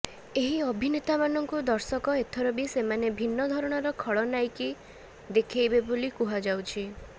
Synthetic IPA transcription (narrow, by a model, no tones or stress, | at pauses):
eɦiɔbʱinet̪amanɔŋkud̪ɔɾsɔkɔet̪ʰɔɾɔbisemanebʱinːɔd̪ʱɔɾɔɽ̃ɔɾɔkʰɔɭɔnajki | d̪ekʰejbebolikuɦad͡ʒawt͡ʃʰi